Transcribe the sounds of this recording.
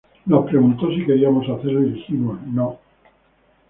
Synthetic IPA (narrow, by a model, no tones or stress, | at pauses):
nohpɾeɣunt̪osike̞ɾiamo̞saθeɾleðiximono